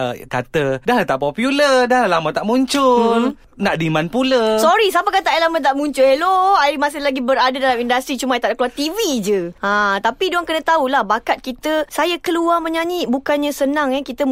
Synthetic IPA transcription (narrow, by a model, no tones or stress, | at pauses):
ʔək̪at̪ədaɦalt̪aʔpɔpjulədaɦallamat̪aʔmuɲt͡ʃʊl | naʔdimanpuləsɔɾisapakat̪aʔelamat̪̬aʔmũɲt͡ʃʊleloaimas̬ɪhlaɡibəɾadadalamindast̪ɾit͡ʃumajt̪aʔdakəluart̪ivid͡ʒəãt̪apiduaŋkənat̪aulahbakat̪̚kit̪əsajakəluaməɲãɲiʔbukanɲãsənãŋɛkit̪ə